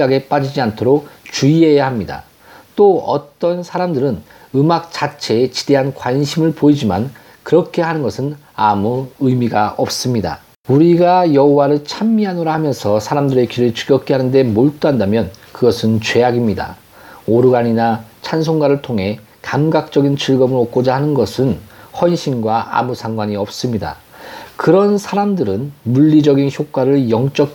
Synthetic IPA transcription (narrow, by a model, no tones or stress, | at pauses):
ɡaɡe̞p͈ad͡ʑid͡ʑiantʰoɾok̚t͡ɕuie̞jahamɲida̰ | t͈oʌt͈ʌnsʰaɾamdɯɾɯn | ɯmak̚t͡ɕat͡ɕʰe̞ːt͡ɕi̥d̥e̞ɦankwaɲɕʰimɯɭpoid͡ʑima̰n | kɯɾʌkʰe̞ɦanɯnɡʌsʰɯn | amuɯjmiɡaʌp̚s͈ɯmɲida̰ | uɾiɡajʌɦowaɾɯɭt͡ɕʰamːiɦanoɾahamjʌnsʰʌsʰaɾamdɯɾe̞kiɾɯɭt͡ɕʰu̥ɡjʌk̚k͈eɦanɯnde̞moɭt͈oɦandamjʌnkɯɡʌsʰɯnt͡ɕwe̞aɡimɲida̰ | oɾɯɡaɲinat͡ɕʰans̬ʰoŋɡaɾɯɭtʰoŋɦe̞ | kamɡak̚t͡ɕ͈ʌɡint͡ɕɯɭɡʌmɯɾok̚k͈od͡ʑahanɯnɡʌsʰɯnhwʌnɕʰinɡwaa̰musʰaŋɡwaɲiʌp̚s͈ɯmɲida̰ | kɯɾʌnsʰaɾamdɯɾɯnmuʎːid͡ʑʌɡinçjok͈waɾɯɭjʌŋt͡ɕ͈ʌk̚